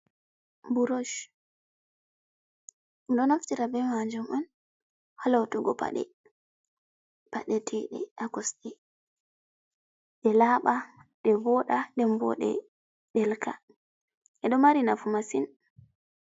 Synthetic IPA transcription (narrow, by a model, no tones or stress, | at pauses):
buɾoʃ | ɗɔnaftiɾabɛmaɲd͡ʒumɔn | halawtuɡɔpa̰ɗɛ̰ | paɗɛtʰɛɗɛ̰ʔakɔsɗɛ | ɗɛlaɓaɗɛvɔɗaɗɛmbɔ̰ɗɛ̰ | ɗɛlkʰa | ɛɗɔmaɾinafumasin